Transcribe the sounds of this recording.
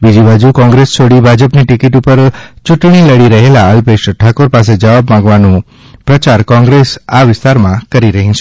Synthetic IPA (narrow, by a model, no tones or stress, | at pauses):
bid͡ʒibad͡ʒukɔ̃ŋɡɾest͡ʃoɽibʱad͡ʒəpniʈɪkiʈupəɾt͡ʃuʈɳ̃iləɽiɾəɦelaəlpeʃʈʰakoɾpas̬ed͡ʒəʋabmãŋɡʋanũ | pɾət͡ʃaɾkɔ̃ŋɡɾesaʋɪst̪aɾmãkəɾiɾəɦĩt͡ʃʰ